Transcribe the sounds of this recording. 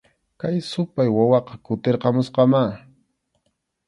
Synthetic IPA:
kajsʊpajwawɑqɑkʊt̪eɾqɑmʊsqɑma

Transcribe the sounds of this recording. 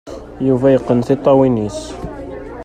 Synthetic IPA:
juvæjəqːənθɪt̪ˤːɑwinis

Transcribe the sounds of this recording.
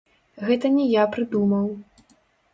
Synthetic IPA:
ɣɛt̪ɐnʲɛjapɾɨd̪umɐw

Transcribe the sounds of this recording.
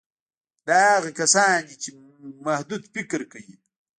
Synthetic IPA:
d̪aaɣakasaːnit͡ʃe | mahd̪ud̪fɪkɾkawi

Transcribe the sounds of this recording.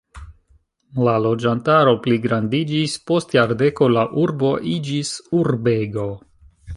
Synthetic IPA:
lalo̞d͡ʒantaɾo̞pliɡɾandid͡ʒispo̞stjaɾde̞ko̞laʔuɾbo̞ʔid͡ʒisuɾbeɡo̞

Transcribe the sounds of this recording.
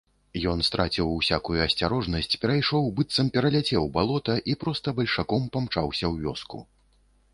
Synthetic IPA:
jɔnst̪ɾʔat͡sʲiwsʲa̰kujuɐsʲt͡sʲaɾɔʐnɐsʲt͡sʲpʲɛɾajʂɔwbɨt̪sɐmpʲɛɾɐlʲat͡sʲɛwbalˠɔt̪ɐʔipɾɔst̪ɐbɐlʲʂakɔmpamt͡ʂawsʲɐwvʲɔ̰skṵ

